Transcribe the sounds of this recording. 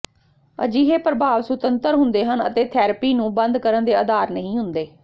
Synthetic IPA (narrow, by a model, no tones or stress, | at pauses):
ə̰d͡ʒiːɦeːpɾəbʱaːʋsʊt̪ənt̪əɾɦʊnd̪eːɦənə̰t̪eːt̪ʰɛːɾəpiːnũːbənd̪kəɾənd̪eːəd̪aːɾnəɦĩːɦʊnd̪eː